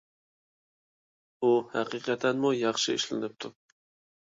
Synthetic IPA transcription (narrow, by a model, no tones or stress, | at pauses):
uhæqiqʰɛt̪ʰɛnmujɑχʃɪɪ̰ʃlɪnɪp̚t̪ʰu